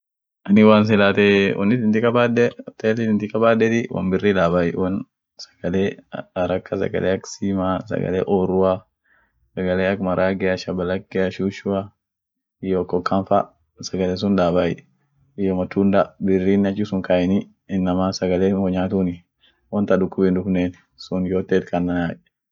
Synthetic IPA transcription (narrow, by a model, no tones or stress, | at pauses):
ʔɐnɪwaːns̬ɪlaːt̪ɛɔ̰nːɪt̪ɪnt̪ɪkɐbaːdɛt̪elɪɪnt̪ɪkɐbaːdːɛt̪ɪwʔɐ̰nbɪrːiːlaːbaːjɪwɐn | sɐ̥ɡ̥ɐleːɾɐkːɐsɐ̰ɡɐ̰leːɐksiːmaːsɐ̰ɡɐ̰lḛːʔoːɾʊwa | sɐɡɐleːɐkmɐɾaːɡɛɐʃɐbɐlɐkːɛɐʃuːʃʊa | ɪjokːɔkːɐnfa | sɐɡɐles̬ʊnᶑaːbaːjɪ̰ | ɪjɔmɐt̪und̪abɪrːiːnːɐt͡ʃːisʊŋkaʔɪnɪ | ɪnːɐmaːsɐɡɐleːmɔɲaːt̪unɪ | wɐnt̪ɐdʊkːʊbɪnd̪ʊkneːn | sʊnjoːt̪ːeːt̪kɐnːɐnaːʔ